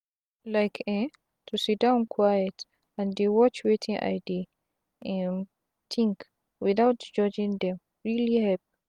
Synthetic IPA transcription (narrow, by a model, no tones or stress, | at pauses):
lajkʰɛ̃n | tʰusidãw̃nkʰwajɛt | ãndewɔt͡ʃwetʰĩŋʔa̰jdi | t̪ʰĩŋk | wiðawtd͡ʒɔd͡ʒĩŋdɛ̃m | ɹilihɛp